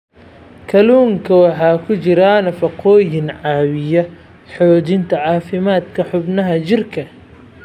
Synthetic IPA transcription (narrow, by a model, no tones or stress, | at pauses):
kʰɐluːŋkʰɐwɑħɑːkʰʊt͡ʃɪɾaːnɐfɐqʰɔːjɪnʕɑːwɪjɐ | ħɔːt͡ʃɪnt̪ʰɐʕɑːfɪmaːd̪kʰɐħʊbnɐɦɐt͡ʃɪrkʰɐ